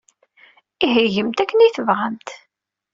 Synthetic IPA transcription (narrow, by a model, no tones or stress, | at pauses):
iɦəʝəmt̪ækːəniθəvʁəmt̪